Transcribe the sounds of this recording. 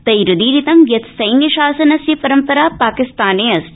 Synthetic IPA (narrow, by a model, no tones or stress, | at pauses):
t̪ɐjɾʊd̪iːɾit̪ɐmjɐt̪sɐjniʃaːsɐnɐsjɐpɐɾɐmpɐɾaːpaːkɪst̪aːneːɐs